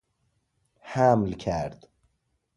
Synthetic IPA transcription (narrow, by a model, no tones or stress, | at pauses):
hæmlcʰæɾd̪̥